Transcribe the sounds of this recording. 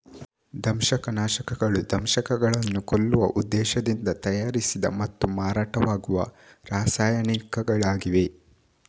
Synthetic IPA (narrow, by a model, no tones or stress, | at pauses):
d̪ʱɐmʃɐkɐnaːʃɐkɐɡɐɭud̪ʱɐmʃɐkɐɡɐɭɐnːukolːuʋɐ̰ʔud̪ːɛːʃɐd̪ind̪ɐt̪ɐjaːɾisid̪ɐmɐt̪ːumaːɾaːʈɐʋaːɡuʋɐ̰ɾaːsaːjɐɳikɐɡɐɭaːɡiʋe̞